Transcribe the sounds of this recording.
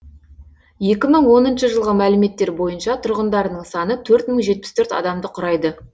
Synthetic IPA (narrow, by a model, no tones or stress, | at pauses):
je̞kʲɪməɴwo̞nənʃəʒəlˠʁəmælɪme̞t̪ːe̞ɾbo̞jənʃɑt̪ʰʊɾʁənd̪ɑɾənəɴsɑnət̪ʰɵɾt̪məɴʒe̞t̪̚pɪ̥st̪ʰɵɾt̪ɑ̰d̪ɑmd̪əqʰʊɾɑjd̪ə